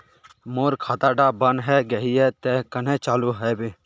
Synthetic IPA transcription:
moːɾkʰaːt̪aːɖabənɦɛɡɐɦiɦɛt̪ɛkənẽt͡ʃaːluɦɛːbi

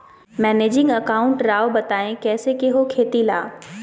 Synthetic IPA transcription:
mɛːneːd͡ʑɪ̃ŋɡɐkaːʊ̃ɳʈɾaːobɐt̪aːẽkɛːsekeɦokʰeːt̪ila̰ː

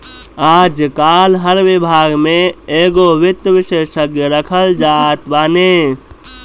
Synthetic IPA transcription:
aːd͡ʒkaːlɦəɾʋɪbʱaːɡmẽeːɡoʋɪt̪əʋɪʃeːʃəkjəɾəkʰəld͡ʒat̪baːne

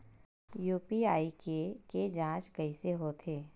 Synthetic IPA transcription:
juːpiaːikeked͡ʒãːt͡ʃkɐiseɦot̪ʰeː

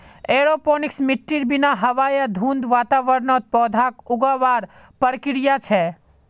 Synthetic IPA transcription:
eɾoponɪksmɪʈːiɾbinaɦɐʋajad̪ʱũnd̪ʋat̪aʋəɾnɔt̪̚pɔːd̪ʱakʊɡaʋaɾ | pəɾkɪɾjat͡ʃʰe

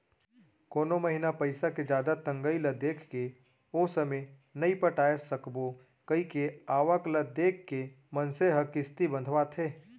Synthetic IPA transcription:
koːnomɐɦɪnapɐɪsaked͡ʒjaːd̪at̪ɐ̃ŋɡəiləd̪eːkʰke | oːsɐme | nɐipəʈaːesɐkbo | kɐikeaːʋəkləd̪eːkʰːe | mɐnseɦɐkɪst̪ibə̃nd̪ʱʋat̪ʰeː

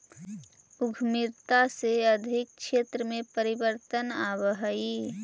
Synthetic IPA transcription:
uɡʱmɪɾt̪aseəd̪ʱɪk̚ʃeːt̪ɾəmẽpəɾibəɾt̪ənabəɦəi

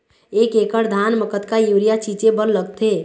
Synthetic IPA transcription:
ekekəɾd̪ʱanməkət̪kajuɾijat͡ʃid͡ʒẽbənləɡt̪ʰe

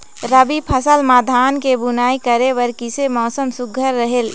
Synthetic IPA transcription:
ɾəbipʰəsəlmaːd̪ʱaːnkebunaːikəɾeʋəɾkisemɔːsəmsʊɡʱəɾːəɦel

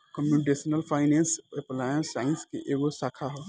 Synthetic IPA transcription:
kəmjunɪʈ̬eːsnəlpʰaːɪnẽːnseplaːjə̃nsaːɪnskḛʔeːɡosaːkʰaɦoː

